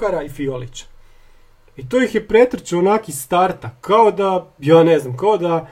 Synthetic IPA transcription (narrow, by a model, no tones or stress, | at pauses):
aɾaifiolit͡ɕḁ | it̪ojixjepɾet̪ɾet͡ɕeonakist̪aɾt̪akːaod̪ajaːneznamkaod̪a